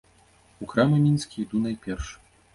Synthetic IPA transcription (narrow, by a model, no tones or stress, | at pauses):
ukɾamɐmʲinskʲiid̪unajpʲɛrʂ